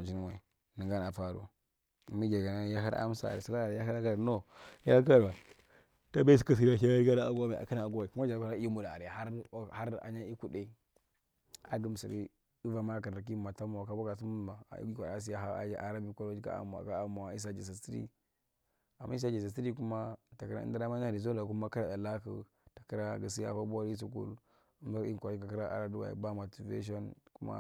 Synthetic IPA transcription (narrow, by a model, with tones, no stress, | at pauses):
a˨d͡ʒi˦n˦wa˨ | ni˨ŋɡa˦na˨fa˦ɾo̰˦˨ | mi˦d͡ʒa˨ɡa˨na˦ja˦ɦa˦a̰˦m˦sa̰˦˨a̰˨ɾi˨si˦la˦˨ɾja˦ha˦ɾa˦ka˦˨no˦ja˦a˦k̬a˦ɾba˨ | ta˦be˦si˨ka˦s̬i˨ɾa˨ʃa˦a˦ɾi˦ɡa˦ɾa˦a̰˨ɡa˦me˨a̰˨ka˦na˨ɡo˦wa˨i˨ku˦ma˦d͡ʒa˨˦a˦ɾa˦i˦mu˨da˨ɾe˨ha˦ɾha˦ɾa̰˨ɲa˦i˦ku˦de˦ | a̰˨ɡi˦m˨sa˨ḭ˦ | i˦va˨ma˦a˦ka˨ɾa˨ɾk̬i˦˨ma˨ta˦ma˨wa˨ka˦ba˦ɡa˨s̬u˦mu˦˨ma̰˨˦kʷa˨a˦s̬i˦ja˦a˦˨˦a˨ɾa˦bi˦kʷo˦ɾo˦d͡ʒi˦a̰˦a̰˨m˨a̰˨ka˦a˨ma˨a˨i˦s̬a˦d͡ʒa˨s̬a˨si˦ɾḭ˦ | a˨mːʔa˦i˦sa˦d͡ʒa˨sa˨si˦ɾi˦ku˦ma˦ta˨ki˦ɾa̰˦n˦da˦da˦ma˦a˦˨i˨z̬o˦la˨ku˦ma˦ki˦ɾa˨da˨la˦kṵ˨ | ta˨ki˦ɾa˦˨ɡa˨s̬i˦ja̰˦˨fa˦ba˦ɾi˦s̬u˦kṵ˦l | u˦m˦a˦ɾi˦˨kʷo˨ɾi˦ka˨ki˦ɾa˦ʔa̰˨ɾa˦du˦wa̰˨ḭ˨ba˦mo˨ti˨vḛ˦ʃ̬o˦nku˦ma̰˦